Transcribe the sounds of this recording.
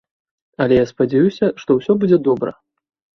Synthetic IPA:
ɐlʲɛjaspɐd͡zʲɛjusʲɐʂt̪ɔwsʲɔbud͡zʲɛd̪ɔbɾɐ̰

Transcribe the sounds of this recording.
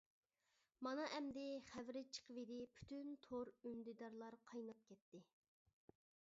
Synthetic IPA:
mɑnɑʔɛmd̪ɪχævɾɪt͡ʃʰə̥qəvɪd̪ɪpʰy̥t̪ynt̪ʰoɾynd̪ɪd̪ɑɾlˠɑɾqʰɑjnɑp̚kʲɛt̪ːɪ

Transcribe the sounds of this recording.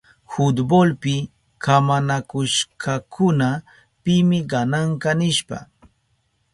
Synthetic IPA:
hʊt̪bolpɪ | kʰamanakʊʃkʰakʰʊna | pɪmɪɢɑnaɴkɑnɪʃpa̰

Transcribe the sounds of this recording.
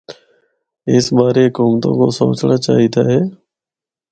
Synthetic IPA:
ɪsbaːɾekuːmt̪õ̰ːkoso̰ːt͡ʃnaːt͡ʃa̰ːɦit̪a̰ːɦɛː

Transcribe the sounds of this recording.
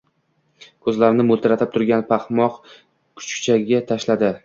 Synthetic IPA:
kʰɵzlaɾɪnɪmʊlt̪ʰɾat̪ʰɪp̚t̪ʰʊɾɡʲanpʰahmɒq | kʰʊ̥t͡ʃkʰt͡ʃʰaɡʲat̪ʰaʃlad̪ɪ

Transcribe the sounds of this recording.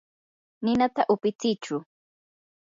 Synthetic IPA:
nɪnat̪aʔʊpɪt͡sɪt͡ʃʊ

